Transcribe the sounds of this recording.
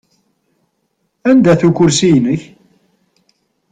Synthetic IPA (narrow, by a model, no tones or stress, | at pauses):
ænd̪æθukːʊɾsijnəç